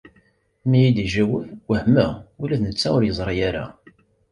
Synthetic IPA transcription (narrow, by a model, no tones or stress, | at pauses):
mijid̪iʒæwəfwəhmæulæðnət͡sːæʊɾjəzˤɾˤijæɾæ̰